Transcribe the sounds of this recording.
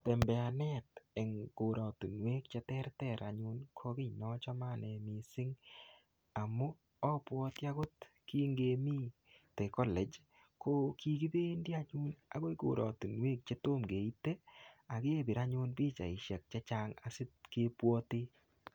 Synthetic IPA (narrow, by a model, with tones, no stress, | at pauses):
tɛ˨mbɛ˨a˨nɛ˦tɛ˨ŋɡ̥o˨ɾɔ˨tu˨nwe˦kt͡ʃe˦tɛ˦ɾtɛ˦˨ɾʔa̰˨ɲʊ˦nkʰo˦kɪ˦ɲnɔ˦t͡ʃɔ˦ma˦˨nɛ˨mi˨sɪ˦ŋ | a˨mu˦ | ɔ˦pwɔ˦tɪ˦a˦ɡʊ˦t | ki˦ŋɡe˨mi˦ | tɛ˨kɔ˦lɛ˨d͡ʒ | kʰo˦ki˨ɡi˦be˦ndi˦a˦ɲʊ˦na̰˨˦ɡo˦i˦ɡo̰˨ɾʔɔ̰˨tu˨nwe˦k̚t͡ʃe˦to˦mɡe˨i˦te˦a˨ke˦˨bi˨ɾa˦ɲʊ˦nbiː˦t͡ʃa̰˨ɪ˨ʃa˨k̚t͡ʃa˦t͡ʃa˦ŋa˨sɪ˦t̚ke˦pwɔ˦tɪ˦